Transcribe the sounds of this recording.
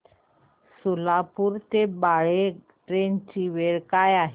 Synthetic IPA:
sulapuːɾt̪ebaɭe | ʈɾent͡ɕiːʋeɭkajaɦe

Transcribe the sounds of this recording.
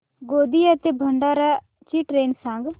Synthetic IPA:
ɡoːd̪iːət̪eːbʱəɳɖaːɾaː | t͡ʃiːʈɾeːnsãŋɡ

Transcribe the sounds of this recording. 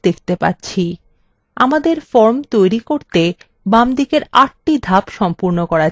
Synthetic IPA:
d̪ek̚ʰt̪epa̰tːɕʰi | amad̪eɾfɔɾmt̪ojɾikoɾt̪e | bamd̪ikeɾaʈ̚ʈid̪ʱapʃɔmpuɾnokɔɾa

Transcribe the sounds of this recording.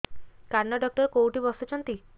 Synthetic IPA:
kaɾnɔɖɔk̚ʈɔɾekowʈibɔsɔt͡ʃʰɔnt̪i

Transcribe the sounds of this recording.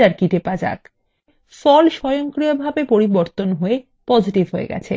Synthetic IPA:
aɾkiʈepad͡ʑa̰k | fɔlʃɔjoŋkɾiobʱabepoɾiboɾt̪onɦoe | pɔd͡ʑiʈivɦoḛɡɛ̰t͡ɕʰḛ

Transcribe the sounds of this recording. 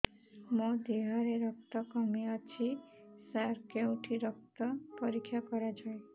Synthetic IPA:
mod̪iɦɔɾeɾɔk̚t̪ɔkɔmiɔt͡ʃʰisaɾkeũʈʰiɾɔk̚t̪ɔpɔɾikʰːjɔkɔɾad͡ʒʰɔẽ

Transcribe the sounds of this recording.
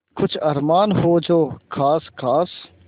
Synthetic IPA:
kʊt͡ʃʰɐɾmaːnɦoːd͡ʒoːkʰaːskʰaːs

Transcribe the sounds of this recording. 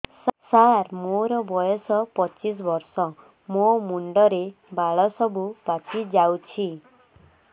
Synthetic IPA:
saɾmoɾɔbɔjɔsɔpɔt͡ʃis̬ɔbɔɾsɔ | momuɳɖɔɾe | baɭɔsɔbupat͡ʃid͡ʒawt͡ʃʰi

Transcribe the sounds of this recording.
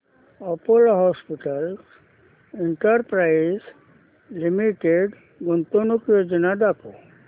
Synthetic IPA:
ɔpolɦɔspiʈəls | iɳʈəɾpɾajiz | limiʈeɖ | ɡont̪onukjod͡ʒənad̪ako

